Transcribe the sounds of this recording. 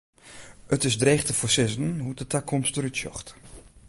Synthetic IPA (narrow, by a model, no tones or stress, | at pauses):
ətɪsdreːxtəfosɪzən̩ɦutətakʰːɔmstəɾytʃjɔ̰xt